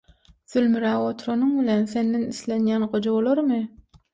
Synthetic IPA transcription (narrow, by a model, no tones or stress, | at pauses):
θylmyɾæːwot̪ʰɾonuŋbilenθe̞nd̪eniθle̞njæːnɢod͡ʒoβolˠoɾmɯ